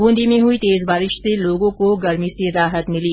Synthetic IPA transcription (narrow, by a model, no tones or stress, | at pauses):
ɡũːnd̪imẽɦʊit̪eːzbaːɾɪʃseloːɡõkoɡɐɾmiseɾaːɦət̪mɪliː